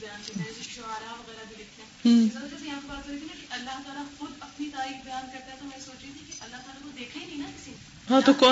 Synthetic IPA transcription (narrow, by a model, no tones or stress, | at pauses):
bɐjaːnketat̪iʃoaːɾaʋɐɣɛːɾabʱilɪkʰt̪eɛ̃zɐɾad͡ʒɛːs̬ejɐɦãːpebaːt̪̚kɐɾeːt̪ʰinakiʔɐlːaɦt̪aːlaxʊd̪ɐpnit̪aːɾiːkbjaːnkɐɾt̪aɦɛt̪ʰamɛsoːt͡ʃɾet̪ʰikiʔɐlːaɦt̪aːlat̪od̪eːkʰenĩnakɪsiː | ɦãːt̪okɔː